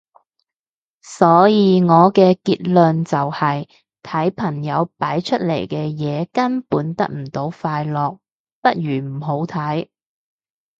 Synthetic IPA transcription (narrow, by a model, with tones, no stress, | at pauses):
sɔː˨˥jiː˨˧ŋɔː˨˧kɛː˧kiː˧t̚lœ˨nt͡sɐ˨whɐ˨j | t̪ʰɐ˨˥jpʰɐ˨˩ŋjɐ˨˧wpaː˨˥jt͡ʃʰɵ˥t̚lḛ˨˩jkɛː˧jɛː˨˧kɐ˥npuː˨˥nt̪ɐ˥k̚m̩˨˩t̪o˨˥wfaː˧jlɔː˨k̚ | pɐ˥t̚ɥyː˨˩m̩˨˩ɦo˨˥wt̪ʰɐ˨˥j